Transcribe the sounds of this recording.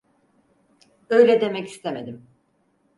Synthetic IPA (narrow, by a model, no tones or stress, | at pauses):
ø̞jlʲɛd̪e̞mɛci̥st̪ʰeme̞d̪im